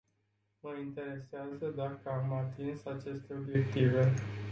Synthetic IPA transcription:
məint̪e̞ɾe̞seazəd̪akəamat̪insat͡ʃe̞st̪e̞o̞bje̞kt̪ive̞

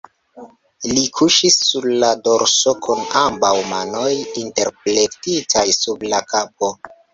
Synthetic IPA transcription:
likʰuʃisːuɾlado̞ɾsokʰunambawmano̞jinte̞ɾpletitʰajsublakap̚o

